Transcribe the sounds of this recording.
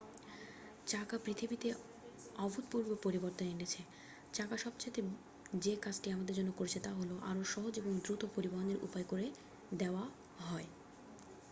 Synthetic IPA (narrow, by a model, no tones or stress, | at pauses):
t͡ɕakapɾit̪ʰibit̪e | ɔbʱut̪̚puɾbʱopoɾiboɾt̪onenet͡ɕʰe | t͡ɕakaʃɔbt͡ɕʰet̪e | d͡ʑekad͡ʑʈiamad̪eɾd͡ʑɔnːokoɾet͡ɕʰet̪aɦoloʔa̰ɾoʃɔɦod͡ʑeboŋd̪ɾut̪opoɾibaɦoneɾʔṵpaekoɾe | d̪eoa | ɦɔe